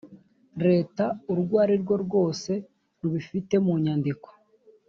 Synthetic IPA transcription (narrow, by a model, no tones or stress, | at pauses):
ɾe̞ːtauɾɡwaːɾiɾɡwo̞ɾɡwo̞ːse̞ | ɾuβifite̞muɲandiko̥